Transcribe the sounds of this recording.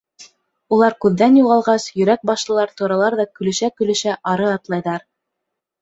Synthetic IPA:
ulˠɑɾkʉðːænjuʁɑlˠʁɑsjɵ̆ɾæk̚bɑʃlˠɤ̆lˠɑɾt̪uɾɑlˠɑɾðɑkɵ̆lɘ̆ʃækɵ̆lɘ̆ʃæʔɑɾɤɑt̪lˠɑjðɑɾ

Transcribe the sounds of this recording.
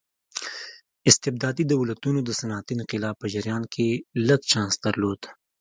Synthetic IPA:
ɪst̪ɪb̚d̪aːd̪id̪ɐwlɐt̪uːnod̪əsɐnaːt̪inqɪlaːpɐd͡ʒɐɾjaːnkʰelɐɡt͡ʃãːnsd̪ɐɾloːt̪

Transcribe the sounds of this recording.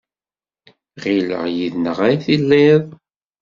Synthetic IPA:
ʁilə̰ʁjiðnəʁaiθilːiðˤ

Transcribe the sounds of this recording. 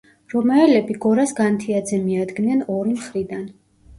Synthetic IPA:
ɾɔmaɛlɛbiɡɔɾasɡant̪ʰiad̪zɛmiad̪ɡnɛnɔɾimχɾid̪an

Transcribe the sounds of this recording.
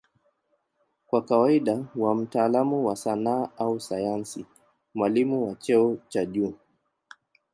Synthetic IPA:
kwakawaiɗawam̩taːlamuwasanaːausajansi | mwalimuwat͡ʃɛɔt͡ʃaʄuː

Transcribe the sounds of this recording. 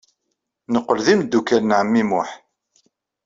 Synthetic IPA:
nəqːəlðimd̪ːukæɾnʕəmːimʊħ

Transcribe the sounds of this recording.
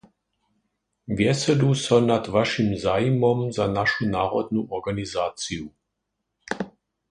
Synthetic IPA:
vjɛsɛd̪usɔnad̪ʋaʃimzaːjimɔmzanaʃunaːʁɔd̪nuʔɔʁɡanizaːt͡s̪iju

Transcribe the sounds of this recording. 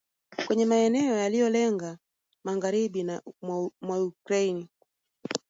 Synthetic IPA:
kwɛɲɛmaɛnɛɔjalijɔlɛŋɡa | maɣaɾiɓinamwaukɾaini

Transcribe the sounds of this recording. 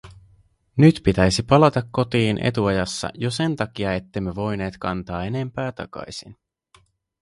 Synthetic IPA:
nyt̪pit̪æjsipɑlɑt̪ɑkːo̞t̪iːnʔe̞̰t̪uɑjɑsːɑ̰jo̞se̞nt̪ɑk̟iɑe̞t̪ːemːeʋo̞jne̞ːt̪kɑnt̪ɑːe̞ne̞mpæːt̪ɑ̰kɑ̰jsin

